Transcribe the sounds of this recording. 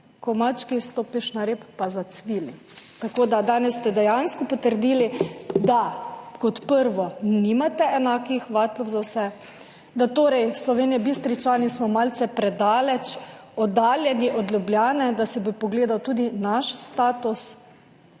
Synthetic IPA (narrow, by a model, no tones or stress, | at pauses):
kɔmat͡ʃkist̪oːpiʃnaɾeːpːazat̪sʋiːli | t̪akoːd̪ad̪aːnɛsːt̪ɛd̪ɛjanskɔpɔt̪əɾd̪iːlid̪akɔt̪pəɾʋɔnimat̪ɛɛnaːkixʋaːt̪lɔwzawsɛ | d̪at̪oːɾɛjslɔʋeːnijɛbist̪ɾit͡ʃanismɔmaːlt̪sɛpɾɛd̪aːlɛt͡ʃ | ɔd̪aːljɛniʔɔd̪lʲjubljaːnɛd̪asɛbɔpɔɡleːd̪awt̪uːd̪inaʃst̪aːt̪us